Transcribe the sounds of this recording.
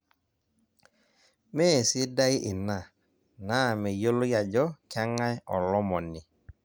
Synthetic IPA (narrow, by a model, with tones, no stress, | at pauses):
mɛ˦˨sɪ˦da˦ɪ˦ʔɪ˨na˨ | na˦˨mɛ˨jo˦lo˦ja˨d͡ʒɔ˦kja˦ŋa˦jɔ˨lɔ˦mɔ˨nɪ˨